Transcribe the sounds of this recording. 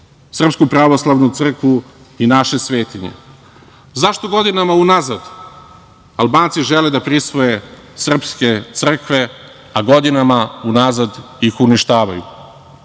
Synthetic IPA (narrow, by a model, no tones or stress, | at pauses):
sr̩pskupɾaʋoslˠaʋnut̪sr̩kʋu | inaʃe̞sʋe̞ːt̪iɲḛ | zaʃt̪o̞ɡo̞d̪inamaunazad̪ | alˠbaːnt̪siʒeled̪apɾisʋoje | sr̩pske̞t̪sr̩kʋe̞ | aɡo̞d̪inamaunazad̪ | ixuniʃt̪aːʋajṵ